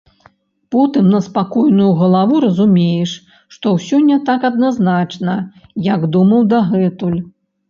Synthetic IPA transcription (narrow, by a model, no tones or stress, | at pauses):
pɔt̪ɨmnɐspakɔjnujuɣɐlˠavuɾɐzumʲejɛʂ | ʂt̪ɔwsʲɔnʲːɐt̪akɐd̪̚naznat͡ʂnɐjaɡd̪umɐwd̪aɣɛt̪ulʲ